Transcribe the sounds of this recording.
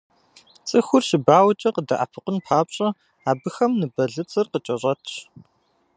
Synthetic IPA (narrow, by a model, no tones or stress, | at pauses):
t͡sʼɨxʷʊrʃɪbaːwt͡ʃʼɐqədɐ̰ʔa̰pʰɨqʷənpʰaːpɕʼɐ | aːbɨxɐmnɨbɐɮɨt͡sʼɨrqət͡ʃʼɐɕʼɐtʰɕ